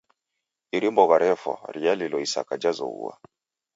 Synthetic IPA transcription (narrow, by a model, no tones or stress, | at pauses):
iɾimbɔɣaɾɛfɔ̰ɾialilɔisa̰kad͡ʒazɔ̰ṵwa̰